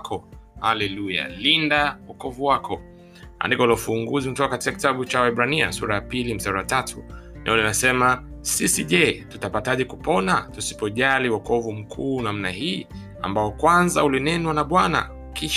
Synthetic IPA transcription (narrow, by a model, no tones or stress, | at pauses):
kʰɔhalɛluja̰lindawɔkɔvuwakʰɔ | a̰ndikɔlɔfuŋɡuzinutɔkakati̥kaki̥taɓut͡ʃawaɛɓɾania̰sṵɾajapilim̩saɾawatatʰunaulinasɛma | sisiʄɛtutapataʄɛkupʰɔnatusi̥pɔʄaliwɔkɔvum̩kʰuːnam̩nahiː | a̰mbaɔkwanzaulinɛnwanaɓwana̰ | kiʃ